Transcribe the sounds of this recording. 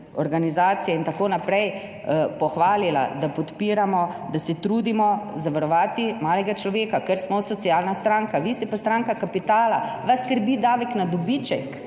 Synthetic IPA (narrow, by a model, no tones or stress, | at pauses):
ɔɾɡanizaːt̪sijɛint̪akoːnapɾɛj | pɔxʋaːlila̰d̪apɔt̪piːɾamɔd̪asɛt̪ɾuːd̪imɔzaʋaɾɔʋaːt̪imaːlɛɡat͡ʃlɔʋeːkakɛɾsmɔsɔtsiaːlnast̪ɾaːŋkaʋist̪ɛpɔst̪ɾaŋkakapit̪aːlaʋaskəɾbid̪aːʋɛknad̪ɔbit͡ʃɛk